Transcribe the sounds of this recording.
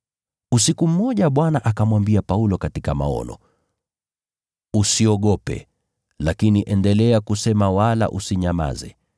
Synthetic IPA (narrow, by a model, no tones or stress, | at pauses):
us̬ikum̩ːɔʄaɓwanaʔakamwambiapaulɔkatikama̰ɔ̰nɔ̰ | usiɔɠɔpɛ̰ | lakiniʔɛndɛlɛakusɛmawala̰ʔusiɲama̰zɛ̰